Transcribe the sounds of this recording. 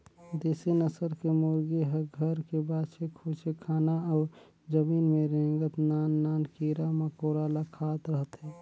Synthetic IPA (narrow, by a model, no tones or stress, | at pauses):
d̪eːsenəsəɾkemoːɾɡeɦəɡʱəɾkebaːt͡ʃʰekʰoːt͡ʃekʰaːnaɔːɾ | d͡ʒəmiːnmẽɾẽːŋɡət̪naːnːaːnkiːɾaməkoːɾalakʰaːt̪ɾəɦət̪ɦɛː